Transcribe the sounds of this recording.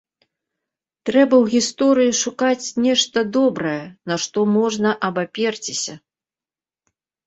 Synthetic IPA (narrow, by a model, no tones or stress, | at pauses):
t̪ɾɛbɐwɣʲist̪ɔɾɨjiʂukat͡sʲnʲɛʂt̪ɐd̪ɔbɾɐjɛnɐʂt̪ɔmɔʐnɐʔɐbapʲɛrt͡sʲisʲɐ